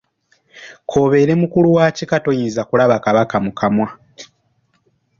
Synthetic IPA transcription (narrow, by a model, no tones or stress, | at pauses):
kʰo̞ːβe̞ːɾe̞mukuluwaːcikato̞jinzakulaβakaβakamukʰamwa